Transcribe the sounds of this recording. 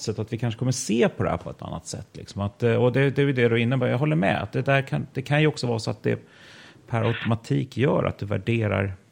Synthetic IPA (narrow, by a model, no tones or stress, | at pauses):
sɛt̪ːat̪vɪkʰanʂə̥kʰɔmːəseːpʰɔd̪ɛhæ̰ɾpʰɔɛt̪ʰa̰nːat̪sɛ̰t̪ːlɪ̰ksɔmat̪̚ɔd̪ɛd̪ɛæjd̪ɛd̪ɵɪnːəbɑːɾjaɦɔlːəɾmɛ̰a̰t̪̚d̪ɛd̪æɾkʰand̪ɛkʰanjɵɔksɔvɑːsɔat̪̚d̪ɛ̰ | pʰæɾaʊt̪ʊmat̪ʰiːkjœːɾʔa̰t̪̚d̪ɵvæ̰ɖeːɾa̰ɾ